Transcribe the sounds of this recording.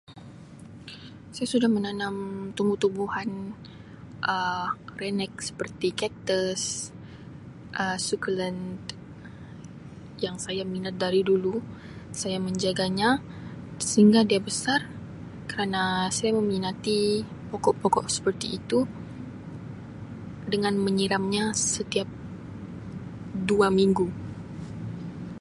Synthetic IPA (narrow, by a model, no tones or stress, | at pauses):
sajasudahmənanamt̪umbut̪ubuhan | ʔərɛnɛk̚sə̥pərt̪ikɛp̚t̪əs | ʔəsukələnd̪ | jaŋsajaminat̪̚daɾidulu | sajaməɲd͡ʒaɡaɲa | səɦiŋɡadiabəsar | kəɾanasajaməminat̪i | pɔkɔʔpɔkɔ̰ʔsə̥pərt̪iʔːt̪u | dəŋanməɲiɾamɲasət̪iap̚ | duamiŋɡu